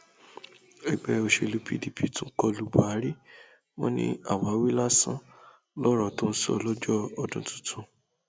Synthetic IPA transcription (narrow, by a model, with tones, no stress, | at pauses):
ɛ˨ɡ͡bɛ˧o˧ʃe˧˨lu˦pʰḭ˦di˨pʰi˨˦tũ˦kɔ˧lu˦bu˦˨a˨˦ɾi˦ | wɔ̰̃˦nḭ̃˦a̰˨wa˨˦wi˦la˦sã˦ | lɔ˦ɾɔ˦˨tõ˦n̩˦sɔ̰˦˨lɔ˦d͡ʒɔ˦ɔ˧dũ˧tũ̥˦tũ˧